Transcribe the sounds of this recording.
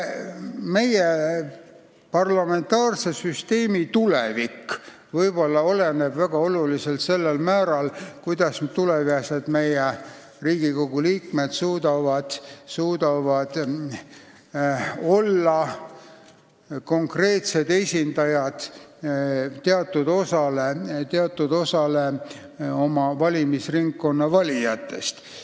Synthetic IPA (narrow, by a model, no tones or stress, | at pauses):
me̞je | pɑrlɑme̞nt̪ɑːrse̞syst̪e̞ːmit̪ulḛvikː | vɤjb̥o̞lːɑo̞le̞nebvæɡ̥ɑo̞luliselt̪se̞lːelmæːɾɑlkujd̪̥ɑst̪uleviesed̪me̞je | riːɡ̥iko̞ɡ̥uliːkme̞t̪suːd̪ɑvɑd̪̥suːd̪ɑvɑd̪̥ | o̞lːɑ | ko̞ŋkre̞ːt̪se̞d̪̥e̞sʲind̪ɑjɑd̪̥ | t̪ːeɑt̪ːˑud̪̥o̞sɑle̞t̪eɑt̪ːˑud̪o̞sɑle̞ | o̞mɑvɑlʲimisriŋkːo̞nːɑvɑlʲijɑt̪ːˑe̞̰st̪